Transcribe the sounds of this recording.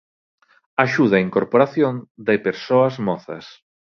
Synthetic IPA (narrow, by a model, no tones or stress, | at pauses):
aʃuð̞aiŋkoɾpoɾaθjõnd̪epeɾsoɐzmɔθɐ̰s